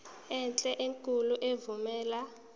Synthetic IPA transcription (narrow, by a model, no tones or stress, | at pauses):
ɛnt͡ɬʼɛʔeŋkʼuluʔevumɛːla